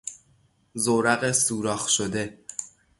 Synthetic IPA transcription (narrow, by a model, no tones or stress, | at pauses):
zoːɾæɣesuːɾɒːxʃod̪e̞